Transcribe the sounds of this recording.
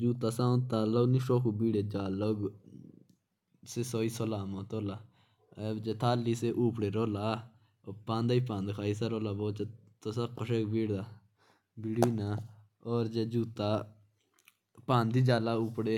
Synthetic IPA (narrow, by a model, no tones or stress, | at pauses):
d͡ʒuːt̪aːsãːnt̪aːloːɡnĩːʃoːkuːbiːɽeːd͡ʒaːloɡ | seːsoːiːsolaːmõːt̪oːlaː | ɛd͡ʒeːt̪ʰaːlːiːseːʔuːpɽeːɾoːlaː | oːpãːnd̪aiːpãːnd̪kʰaːiːsaɾoːlaːboːt͡ʃː | t̪osakːəʃeːkbiːɽd̪aː | biːɽiːnaː | ɔːɾd͡ʒeːd͡ʒuːt̪aː | pãːnd̪iːd͡ʒaːlaːuːpɽeː